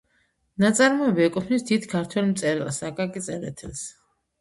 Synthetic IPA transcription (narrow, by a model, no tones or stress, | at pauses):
nat̪sʼaɾmɔɛbiɛkʼɔpʰnisd̪it̪kʰaɾt̪ʰwɛlmt̪sʼɛɾɛlsakʼakʼit̪sʼɛlɛ̰t̪ʰɛls